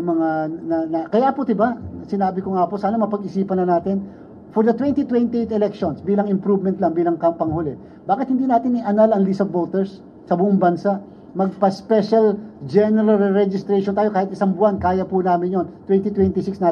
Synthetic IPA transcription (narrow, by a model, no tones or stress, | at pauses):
mɐŋanɐnɐkɐjapod̪ɪbasɪnaːbɪkoŋaːposaːnɐmɐpɐɡɪsiːpɐnɐnaːt̪ɪn | fɔɹd̪ɐt̪wɛnt̪it̪wɛnt̪iʔejt̪ɛlɛkʃonsbiːlɐŋɪmpɾuvmɛnt̪lɐŋbiːlɐŋkɐpɐŋholɛ | baːkɪt̪hɪnd̪iːnaːt̪ɪnɪʔɐnalɐŋlisɐbot̪ɛɹsː | ɐbʊʔʊŋbɐnsaʔ | mɐɡ̚pɐspɛʃɐld͡ʒɛnɛɾɐlɹɛd͡ʒɪst̪ɾejʃoɔnt̪aːjo̞kaːhɪt̪ɪsaŋbʊʔankaːjɐpʊnaːmɪnjont̪wɛnt̪it̪wɛnt̪isɪksnaː